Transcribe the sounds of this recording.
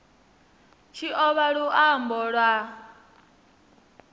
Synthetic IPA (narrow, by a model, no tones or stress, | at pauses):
t͡ʃʰiʔɔβaɺuʔambɔɺwa